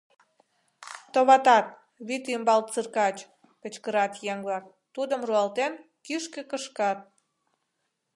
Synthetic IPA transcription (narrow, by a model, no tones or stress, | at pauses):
t̪oβɑt̪ɑt̪̚ | βit̪ymbɑlt̪̚t͡sɨrkɑt͡ɕ | pə̆t͡ɕkəɾɑt̪jeŋβlɑk̚ | t̪ud̪əmruɑlt̪en | kyʃkĕkəʃkɑt̪̚